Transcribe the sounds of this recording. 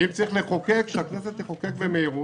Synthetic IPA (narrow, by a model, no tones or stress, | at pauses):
imt͡saʁiχleχokekʃeakneset̪iχokekvemeiʁu